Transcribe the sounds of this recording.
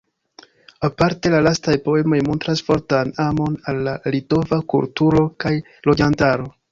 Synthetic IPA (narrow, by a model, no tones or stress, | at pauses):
apaɾte̞lalastajpo̞e̞mo̞jmo̞ntɾasfo̞ɾtanamo̞nalːalito̞vakṵltuɾo̞kaj | lo̞d͡ʒantaɾo̞